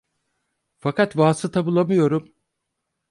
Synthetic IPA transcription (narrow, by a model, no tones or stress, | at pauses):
fakat̪vaːsɯt̪ʰabulˠamɯjo̞ɾum